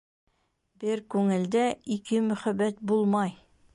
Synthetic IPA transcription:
bɘɾkʉŋɘ̆ld̪æikɘmɵ̆χæbːæt̪̚bulˠmɑj

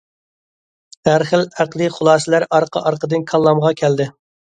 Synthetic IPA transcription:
æɾχəlæqlˠɨχʊlˠɑːslæɾɑɾqʰɑ̰ʔɑɾqəd̪ɨnkʰɑlˠːɑmʁɑkʲʰæld̪ɪ

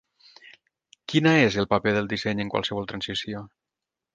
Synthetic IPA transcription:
kinaezəlˠpapeðəlˠd̪isɛɲəŋkwa̰lˠsəβɔlˠt̪ɾansisio

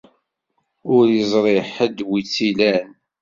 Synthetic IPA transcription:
ʊɾjəzˤɾˤeħəd̪wit͡sːilæn

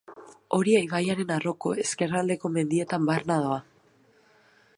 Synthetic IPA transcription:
o̞ɾiejβajaɾe̞naro̞ko̞̰e̞ske̞rald̪e̞ko̞me̞nd̪ie̞t̪ambarnaðoa

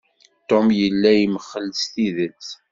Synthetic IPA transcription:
t̪omjəlːæjiməχːəlst̪iðənt͡s

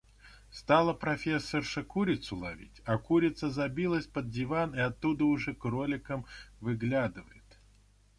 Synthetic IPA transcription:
st̪alˠəpɾɐfʲe̞sːərʂəkuɾʲɪt̪sʊlˠɐvʲḭtʲakuɾʲɪt̪səzɐbʲilˠəsʲpəd̪̚dʲɪvanɪɐt̪ːud̪əʊʐɛkro̞lʲɪkəmvɨɡlʲad̪ɨvəjɪt̪

